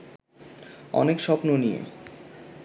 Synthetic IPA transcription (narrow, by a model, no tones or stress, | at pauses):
ɔ̰nekʃɔpnonijḛ